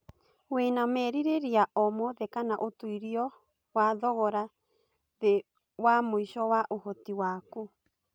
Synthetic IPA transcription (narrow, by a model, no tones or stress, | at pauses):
wenamɛɾiɾeɾiaʔɔmɔðɛkanaʔotuiɾiɔ | waðɔɣɔɾa | ðe | wamoiʃɔwaʔohotiwaːku